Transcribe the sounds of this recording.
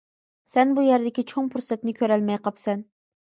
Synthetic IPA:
sɛnbujæɾd̪ɪkʲit͡ʃʰoŋpʰuɾsɛt̪nɪkʲʰøɾɛlmɛjqɑpsɛn

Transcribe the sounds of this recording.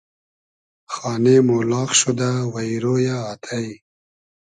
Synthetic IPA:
xɑːnemolɑːxʃud̪awaiɾojaːt̪ʰaj

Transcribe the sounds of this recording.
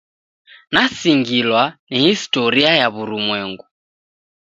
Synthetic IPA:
nasiŋɡilwanihistɔɾiajaβuɾumwɛŋɡu

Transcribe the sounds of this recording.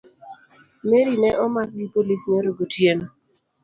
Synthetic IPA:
meɾinɛʔɔmak̚ɡipolisneɾoɡotjeno

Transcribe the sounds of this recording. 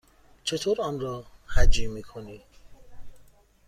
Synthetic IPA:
t͡ʃʰet̪ʰoɾɔnɾɔːhad͡ʒimiːkʰoni

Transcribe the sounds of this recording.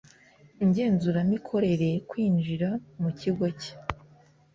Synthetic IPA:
iɲɟe̞ːnzuɾamikʰo̞ɾe̞ɾekwiːnd͡ʒiɾamuciɡwoce̥

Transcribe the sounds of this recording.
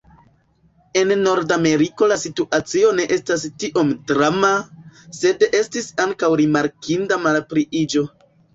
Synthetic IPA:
e̞nːo̞ɾdame̞ɾiko̞lasituʔat͡sio̞ne̞ʔe̞stastiʔo̞mdɾamase̞de̞stisaŋkawɾimaɾkʰindamalpɾiid͡ʒo̞

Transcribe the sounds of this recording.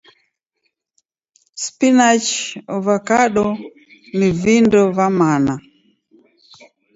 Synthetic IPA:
spinat͡ʃɔvakaɗɔ | nivindɔvamana

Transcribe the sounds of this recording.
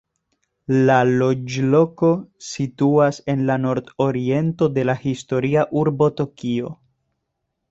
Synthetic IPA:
lalo̞d͡ʒlo̞ko̞situase̞nlano̞ɾdo̞ɾie̞nto̞de̞lahisto̞ɾiaʔuɾbo̞to̞kio̞̰

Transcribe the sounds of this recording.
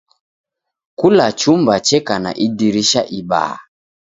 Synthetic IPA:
kulat͡ʃumbat͡ʃɛkana̰ʔidiɾiʃaʔiba̰ː

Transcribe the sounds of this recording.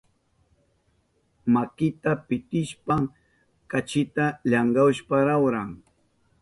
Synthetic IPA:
makɪt̪apɪt̪ɪʃpaŋ | kat͡ʃɪt̪aʎaŋɢawʃpaɾawɾaŋ

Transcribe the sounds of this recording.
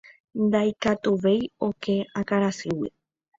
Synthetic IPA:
nd̪ajkat̪uʋe̞jo̞ke̞akaɾasɨwi

